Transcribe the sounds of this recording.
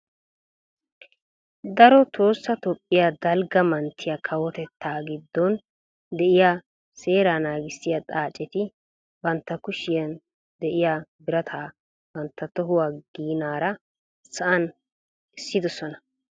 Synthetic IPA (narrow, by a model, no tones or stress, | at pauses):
d̪ɐɾɔt̪o̞ːsːɐt̪ɔpʼːɪjaːd̪ɐlɡɐmɐnt̪ʰːɪjakʰɐwɔt̪ɛt̪ːaːɡɪd̪ːɔn | d̪ɛʔɪja | se̞ːɾanaːɡɪsːɪjat̪ʼaːt͡ʃʼːɛt̪ɪ | bɐnt̪ːɐkʊʃɪjɐn | d̪ɛʔɪjaːbɪɾɐt̪ʰaː | b̥ɐnt̪ːɐt̪ɔɦʊwaːɡ̥iːnaːɾɐ | sɐʔɐn | ɪsːɪd̪ɔsɔnɐ